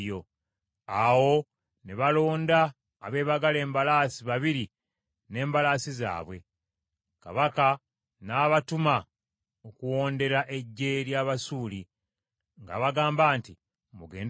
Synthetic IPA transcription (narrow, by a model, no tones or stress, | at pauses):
jo̞ | awo̞ | neβalo̞ːndaː | βe̞ːβaɡale̞ːmbalaːsiβaβiɾi | ne̞ːmbalaːsiza̰ːβwe̞̰ | ka̰βaka | naːβatuma | okuwo̞ːnde̞ɾaʔe̞ɟːeɾjaːβasuːli | ŋɡa̰βaɡaːmbaːnti | muɡe̞̰ːn